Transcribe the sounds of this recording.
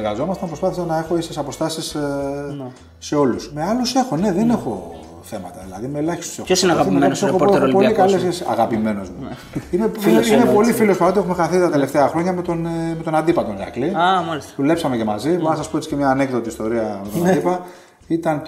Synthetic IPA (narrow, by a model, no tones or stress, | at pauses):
ɾɣɐzo̞mɐst̪ɐmpɾo̞spɐθisɐnɐe̞xo̞esesɐpo̞st̪ɐsis | se̞o̞lusme̞ɐluse̞xo̞ne̞ðene̞xo̞ | θe̞mɐt̪ɐðilɐ̰ðimelɐçist̪u̥sexosinɐɣɐimeosexopoikɐlesesɐ̰ɣɐpime̞no̞zmu | ineinepo̞lifilo̞spɐɾo̞t̪iexumexɐɾθitt̪ɐt̪ele̞ft̪eɐxɾo̞ɲɐmet̪onme̞t̪o̞nɐnd̪ipɐt̪onɐ̰kliɐmalisðule̞psɐme̞ce̞mɐ̰ziboɾnɐsɐspoe̞t͡si̥cemɲɐːne̞kðo̞t̪iːst̪o̞ɾiɐmet̪onand̪ipɐ | it̪ɐn